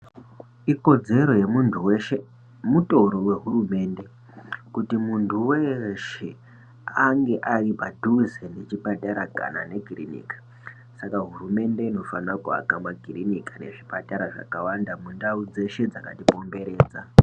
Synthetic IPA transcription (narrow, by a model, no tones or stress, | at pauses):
iko̞d͡ze̞ɾo̞je̞muntʰuweʃe | muto̞ɾo̞we̞ɦurume̞ːnde̞ | kutimuntʰuweʃe̞ | aŋɡe̞ʔaripadʱuzene̞t͡ʃipataɾaka̰na̰ne̞kirinḭkḁ | sakaɦurume̞nde̞ino̞fanakua̰kamakirinikane̞̰ʐipataɾaʐa̰kawandamundaud͡ze̞ʃe̞d͡zakatipo̞mbe̞ɾe̞ːd͡za